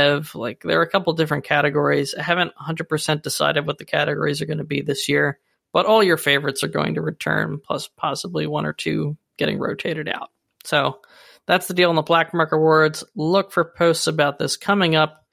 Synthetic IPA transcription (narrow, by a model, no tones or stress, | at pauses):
v̥la̰ɪk̚ðə̰˞ɨkʰʌpl̩ˠdɪfɹɨ̃nkʰæɾɨɡɔɹiz̥aɪɦævɨ̃ntəhʌ̃ndəd̚pʰə˞sɛ̃nd̥ɨsa̰ɪɾɨd̚wʌt̪̚ðɨkʰæɾɨɡɔ̰ɹizə˞ɡʌnɨbiðɪsjɪɹ | b̥ʌɾɔlˠjə˞feɪvə˞ɨtsə˞ɡoʊɪ̃ŋtɨɹɨtʰɜ̰̃˞npʰl̥ʌ̰spʰɑsəbliwʌ̃ñə̰˞tʰʉ̰ɡ̥ɛɾɪ̰̃ŋɹo̰ʊtʰeɪɾɨɾa̰ʊt̚ | soʊ | ðætsðədilˠə̃n̩ðəblæk̚mɑɹkə˞wɔɹdz̥lʊkfə˞pʰoʊstsəbaʊt̪̚ðɪskʰʌmɪ̃ŋʌp̚